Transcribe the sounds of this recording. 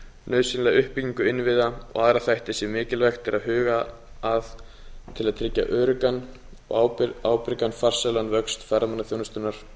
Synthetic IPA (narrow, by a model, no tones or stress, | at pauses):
nœːɥsɪnlɛɣʏhpɪciŋkʏɪnːvɪðaɔ̰ɣaːðɾaθajht̪ɪsjɛmɪːcɪlvɛxt̪ɪɾʔaðɦʏːɣaː | ð | t̪ʰɪlaðt̪ʰɾɪcːa̰ʔœːɾʏkan | awaːwpɪɾkanfar̥sɛlanvœkst̪fɛɾamanːaθjoːwnast̪ʏnːaɾ̥